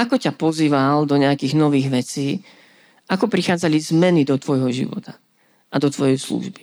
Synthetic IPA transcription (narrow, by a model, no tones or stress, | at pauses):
akɔcapɔziːʋald̪ɔɲɛakiːɣnɔʋiːɣʋɛt͡siː | akɔpɾixaːd͡zalizmɛnid̪ɔt̪ʋɔjɦɔʒḭʋɔ̰t̪ḁ | ʔad̪ɔt̪ʋɔjɛjslṵʒbi̥